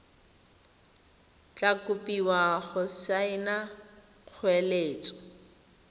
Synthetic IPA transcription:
t͡ɬʼakʊpʼiwaɣʊsaɪna | q͡χʰwɛleːt͡sʼɔ̥

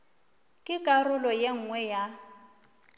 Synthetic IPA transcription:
kʼɪkʼarʊlɔjeŋ̩ŋwɛja

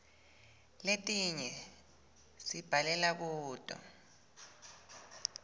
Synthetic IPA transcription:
letʼiɲɛ | sib̥ʱalɛlak̬uːtʼɔ̰

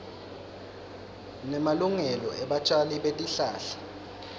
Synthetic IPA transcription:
nɛmaluŋɛlɔʔɛɓat͡ʃʼaliɓetʼiɬaːɬḁ

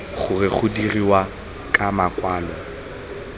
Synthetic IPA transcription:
χʊrɪχʊdiriwa | kʼamakʼwaːlɔ

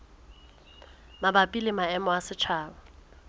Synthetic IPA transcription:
mabapʼilɪmaɛmɔasɪt͡ʃʰaːbɔ

